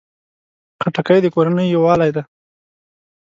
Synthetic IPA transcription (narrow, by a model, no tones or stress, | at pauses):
qaʈakajd̪əkoɾanəjːowɑlajd̪a